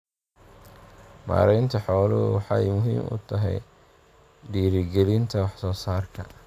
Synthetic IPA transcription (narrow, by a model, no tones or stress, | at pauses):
ma̰ːɾɛjnt̪ʰɐħɔːlʊwħɑjmʊɦḭːmʊ̰t̪ʰɐɦɛ̰j | ɖiːɾɪɡɛlɪnt̪ʰɐwɑħsɔːsaːrkʰɐ